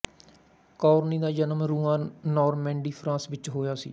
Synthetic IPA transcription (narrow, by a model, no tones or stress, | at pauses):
kɔːɾniːd̪aːd͡ʒənəmɾũːãːnɔːɾmɛ̃ːɳɖiːpʰɾãːsʋɪt͡ʃɦoːjaːsḭː